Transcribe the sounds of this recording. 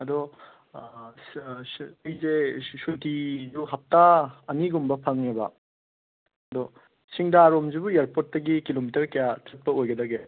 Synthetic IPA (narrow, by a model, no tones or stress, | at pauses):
ɐdɔ | jzesuntiduɦap̚taɐniɡumbɐpʰaŋnebɐ̰ | ɐdɔ | siŋdaːɾomzubujaɾpot̚ːɐɡikilomitɐɾkɐjatʰɐt̚pɐojɡɐdɐɡe